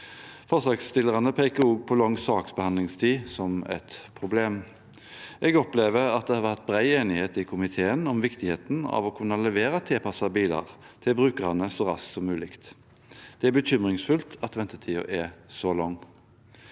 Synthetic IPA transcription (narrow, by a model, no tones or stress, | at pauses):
fɔʁsɑːkst̪ɪləʁɑnəpʰekəuɡpʰɔlɔŋsɑːksbəhɑnlɪŋst̪ʰiːsɔmɛ̰t̪pʰʁʊbleːm | ʔɛɡɔpleːʋəʁɑt̪̚d̪ɛhɑʋæʁt̪̚bʁæɪeːnɪheːt̪ɪkʰʊmɪt̪ʰeːənɔmʋɪkt̪ɪheːt̪n̩ɑ̰ʋɔkʰʉnːɑlɛʋeːʁɑt̪ʰɛːpʰɑsɑbiːlɑ̰ʁ | t̪ʰɪlbʁʉːkəʁɑnəsɔʁɑ̰skt̪sɔmːʉːlɪkt̪ | d̪̥ɛæbətʏmʁɪŋsfʉlt̪ʰɑt̪ʋɛnt̪ət̪ʰiːʊ̰ʔɛsɔlɔŋː